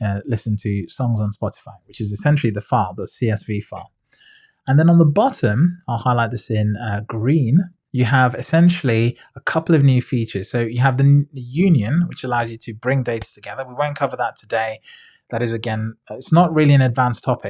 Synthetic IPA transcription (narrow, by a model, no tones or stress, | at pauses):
ʌlɪsə̃ntʰəsɒ̃ŋzn̩spɒtɪ̥faɪwɪt͡ʃɪzɪsɛ̃nʃl̩ˠiðəfɑðətsiɛsv̥ifɑ̰ː | ə̃nðə̃nə̃nðəbɒtə̃maɪlˠhaɪlaɪt̪̚ðɪsɪ̃nʌɡ̥ɹĩːn | jəəvɪsɛ̃nʃəl̩ˠi | əkʰʌpəl̩ˠəvnjʉːfiˑt͡ʃəz̥soʊjəːvðəəjʉ̃njə̃nwɪt͡ʃəlaʊzjɨtʰɨbɹɪ̃ŋdeɪtə̥tʰəɡɛðəwiwə̃ʊ̃nkʰʌvəðətʰədeɪ | ðəɾɪzɨɡɛ̃nɪtsnəʔɹɪəlˠiɨ̃nədvãnstʰɒpʰɪk̚